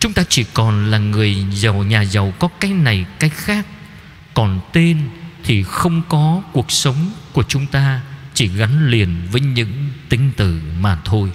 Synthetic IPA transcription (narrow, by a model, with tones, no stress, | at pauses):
t͡ɕʊ˨˦ŋ͡mt̪aː˧t͡ɕi˧˩kɔ˨˩nlaː˨˩ŋɨ˨˩əjzə˨˩wɲaː˨˩zə˨˩wkɔ˨˦kaː˨˦jna˨˩jkaː˨˦jxaː˦˥k̚ː | ɔ˨˩nt̪e˧nt̪ʰi˨˩xə˧wŋ͡mkɔ˨˦ku˨˩ək̚sə˨˦wŋ͡mku˧˩ət͡ɕʊ˨˦ŋ͡mt̪aː˧t͡ɕi˧˩ɣa˨˦nli˨˩ənvəː˨˦jɲɨ̰˧˥ŋt̪ï˨˦ŋ̟t̪ɨ̰˧˨maː˨˩t̪ʰo˧j